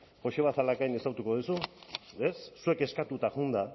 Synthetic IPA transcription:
xo̞ʃeβasalakajne̞sawt̪uko̞ðusuesːue̞ke̞skat̪ut̪aʝund̪a

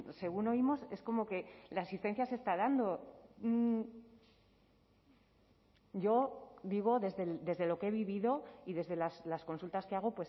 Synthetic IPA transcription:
se̞ɣ̞uno̞imo̞se̞sko̞mo̞ke̞laːsist̪e̞nθjase̞st̪að̞and̪o̞m̩ | ɟ͡ʝo̞d̪iɣ̞o̞ðe̞zðe̞d̪e̞zðe̞lo̞ke̞βiβiðo̞iðe̞zðe̞laslasko̞nsult̪aske̞aɣ̞o̞pwe̞s

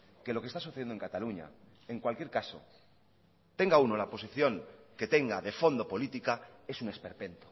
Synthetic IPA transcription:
ke̞lo̞kest̪as̬uθeenoeŋkat̪aluɲa̰ | e̞ŋkwalkje̞ɾkaso̞̰ | t̪e̞ŋɡauno̞lapo̞s̬iθjo̞ŋke̞t̪e̞ŋɡaðe̞fo̞nd̪o̞po̞lit̪ikae̞sune̞spe̞ɾpe̞nt̪o̥

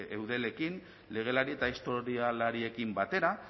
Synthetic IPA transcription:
ewðe̞le̞kin | le̞ɣ̞e̞laɾie̞t̪aist̪o̞ɾialaɾie̞kimbat̪e̞ɾa

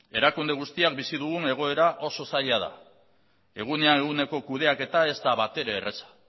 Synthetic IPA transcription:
e̞ɾakund̪e̞ɣ̞ust̪iak̚bisið̞uɣune̞ɣ̞o̞e̞ɾaʔo̞so̞saʎað̞a̰ | e̞ɣ̞une̞ane̞ɣ̞une̞ko̞kuð̞e̞ake̞t̪ae̞zt̪aβat̪e̞ɾeːre̞sḁ

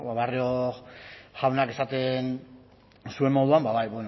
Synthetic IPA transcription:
βaβario | ʝawnake̞sat̪e̞n | sue̞mːo̞ðuambaβajβeno

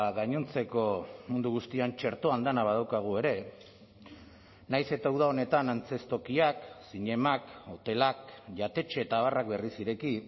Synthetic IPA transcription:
ɣaɲont͡se̞ko̞mund̪uɣ̞ust̪iant͡ʃe̞ɾt̪oand̪anaβ̞að̞awkaɣ̞ue̞ɾe̞ | najse̞t̪awð̞ao̞ne̞t̪anant͡se̞st̪o̞kiaksiɲe̞mako̞t̪e̞lakʝat̪e̞t͡ʃe̞ːt̪aːβ̞arakbe̞risiɾe̞ki

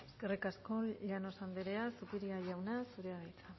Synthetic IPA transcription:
eskerikasko̞ʎano̞sand̪eɾeasupiɾiaʝawnasuɾeaɣajt͡sa

